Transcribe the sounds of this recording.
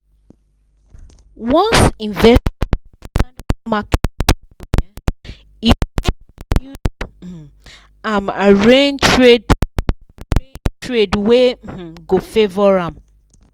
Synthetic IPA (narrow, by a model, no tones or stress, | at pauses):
wɔ̃nsĩɱvɛ | tãmak | ɛ | i | u | ãmaɹẽntɹed | ɹetɹedweɡofevɔɹãm